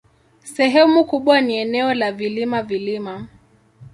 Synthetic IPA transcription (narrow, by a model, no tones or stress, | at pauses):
sɛɦɛmukuɓwaniɛnɛɔlavilimavilima